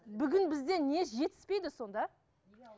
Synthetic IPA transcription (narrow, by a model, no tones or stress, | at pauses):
bʏɡʲɪnbɪzd̪e̞ne̞sʒe̞t̪ʰɪ̥spe̞jd̪ɪso̞nd̪ɑ